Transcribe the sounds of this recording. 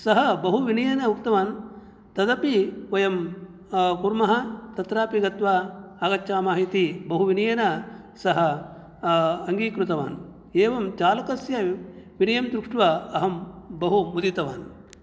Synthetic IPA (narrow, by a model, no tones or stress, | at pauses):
sɐɦɐbɐɦuʋinijɐnɐukt̪ɐʋaːn | t̪ɐd̪ɐpiʋɐjɐm | kuɾmɐɦɐt̪ɐt̪ɾaːpiɡɐt̪ʋaːɡɐtːʃaːmaːɦit̪ibɐɦuʋinijɐnɐ | sɐɦɐ | ɐŋɡiːkɾut̪ɐʋa̰ːn | eːʋɐmt͡ʃaːlɐkɐsjɐʋinɐjɐmd̪ɾukʂʈʋɐɐɦɐmbɐɦumud̪it̪ɐʋa̰ːn